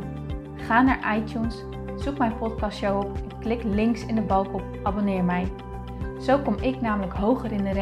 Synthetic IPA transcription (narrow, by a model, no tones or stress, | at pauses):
χaːnaːɹʔɑjtjuns | z̥ukmɛjnpɔtkɑstʃowɔpɪkːlɪklɪŋksɪndəbɑlˠkɔp̚ʔɑːbonɪːɹmɛj | z̥owkɔmɪknaːmələkɦowχəɾɪndəɾɛ